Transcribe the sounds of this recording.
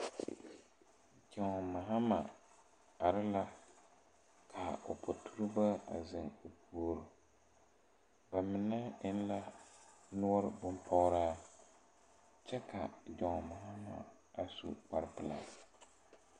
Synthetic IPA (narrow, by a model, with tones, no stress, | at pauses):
d͡ʒa˨ŋ˨ma˨ɦa˦ma̰˨ | a˨ɾɪ˦la˦ | kʰa˨o̰˨pʰʊ˨tʰu˦ɾɨ˦ba˦a̰˨zɪ˨ŋo˨pʰu˨˦o˦˨ɾʊ˨ | ba˨mɨ˨˦nɛ˦ɪ˦n˦la˦nʊ˦ɔ˦ɾbʊ˦mpʰɔ˦ɾaː˦ | t͡ʃɛ˦ka˨d͡ʒɔ˨ŋ˨ma˨ɦa˦ma̰˨ | a˨sṵ˨k͡pa˨ɾɨ˦pɨ˨la̰˨